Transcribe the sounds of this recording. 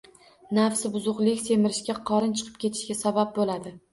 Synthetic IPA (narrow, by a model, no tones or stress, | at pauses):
nafsɪbʊzʊqlˠɪkʲse̞mɪɾɪʃkʲaqʰɒɾɪnt͡ʃʰɨ̥qʰɨ̥p̚kʲʰe̞t̪ʰɪ̥ʃkʲasabap̚bolad̪ɪ